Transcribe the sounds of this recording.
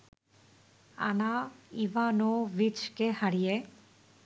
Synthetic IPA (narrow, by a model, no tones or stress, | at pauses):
a̰naiʋanoʋit͡ʃkehaɽije